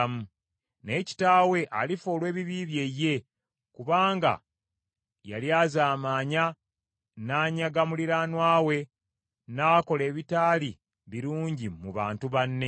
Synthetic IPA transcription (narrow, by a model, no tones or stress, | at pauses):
mu | ne̞ːci̥taːwe̞ʔalifo̞ːlwe̞ːβiβiːβje̞je̞ | kuβaːŋɡa̰ | ja̰ljaːzaːmaːɲa | naːɲaɡamuliɾanwaːwe̞ | naːko̞le̞ːβitaːli | βiɾuːɲɟimuβa̰ːntuβanːe